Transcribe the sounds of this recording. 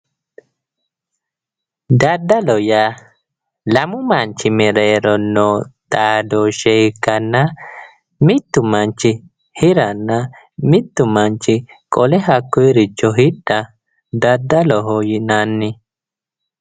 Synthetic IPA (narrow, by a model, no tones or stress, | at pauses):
d̪ɐd̪ːɐlɔja | lɐmʊmɐnt͡ʃːɪmɛɾeːɾɔnːɔːt̪ʼaːd̪ɔʃɛkːɐnːɐ | mɪt̪ːʊmɐnt͡ʃːɪ | hɪɾɐnːɐ | mɪt̪ːʊmɐnt͡ʃːɪ | kʼɔlɛɦɐkːɔjɾɪt͡ʃːɔɦɪɗːɐ | d̪ɐd̪ːɐlɔɦɔjɪnanːɪ